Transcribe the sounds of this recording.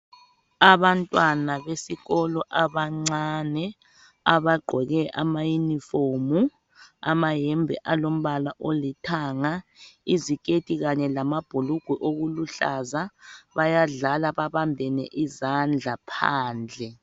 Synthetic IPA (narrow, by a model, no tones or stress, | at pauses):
aβantʼwanaβesiɣɔlɔʔaβaŋ͡ǀanɛ | aβaɡ͡ǃʱɔɣɛʔa̰majunifomu | a̰majɛmbʱɛ̰ʔalom̩βalaʔolitʰaːŋaizikʼetʼiɣaɲɛlamab̥ʱuluɡ̥ʱwɛʔoɣuluɬa̰zaβajaɮalaβaβambʱɛnɛ̰ʔizand͡ɮʱapʰa̰ːnd͡ɮʱɛ